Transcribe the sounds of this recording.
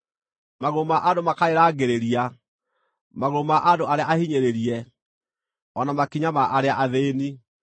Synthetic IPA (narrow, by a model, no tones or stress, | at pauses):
maɣomaʔadomakaɾeɾaːɡeɾeɾia | maɣomaʔadoaɾeaahiɲeɾeɾiɛ | ɔnamakiɲamaʔaɾeaʔaðeːni